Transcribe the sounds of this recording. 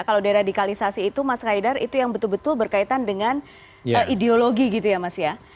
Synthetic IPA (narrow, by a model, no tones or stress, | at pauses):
kalawdaeɾadikalisasiːt̪umaskaidarḭt̪ujaŋbət̪ʊlbət̪ʊlbərkait̪andəŋan | əʔideoloɡiɡit̪ujamasja